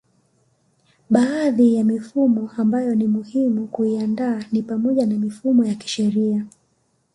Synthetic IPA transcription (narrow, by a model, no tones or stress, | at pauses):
ɓaːðijamifumɔʔambajɔnimuhimukuiandaːnipamɔʄanamifumɔjaki̥ʃɛɾia